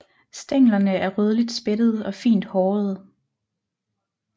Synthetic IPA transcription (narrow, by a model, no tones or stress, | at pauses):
sd̥eŋ̰lɐnəæɐʁøð̞ˠlid̥sb̥ed̥əð̞̩ˠɒ̽fḭːnd̥hɒːð̞̩ˠ